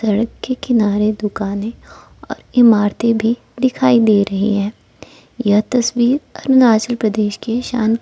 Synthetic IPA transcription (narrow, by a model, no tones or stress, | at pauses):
sɐɽəkːekɪnaːɾed̪ʊkaːnẽ | ɔ̰ːɾɪmaːɾt̪ebʱi | d̪ɪkʰaːid̪eːɾɐɦḭɦɛ̃ː | jɐɦt̪ɐswiːɾɐɾnaːt͡ʃəlpɾɐd̪eːʃkeʃa̰ːn